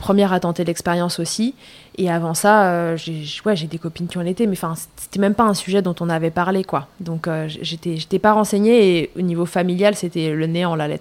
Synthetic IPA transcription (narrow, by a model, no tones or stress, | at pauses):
pχəmjɛʁat̪ɑ̃t̪ed̪lɛkspeʁjɑ̃sosi | eavɑ̃saøʒeʒwɛʒed̪ekɔpinkʲiɔ̃net̪ɛmɛ̃fɛ̃sese̥t̪ɛmɛmpaɛ̃syʒɛd̪ɔ̃t̪ɔ̃navɛpaʁlekwad̪ɔ̃køʒʒet̪ɛʒet̪ɛpaʁɑ̃seɲeːonivofamiljalset̪ɛləneɑ̃lalɛt̪χ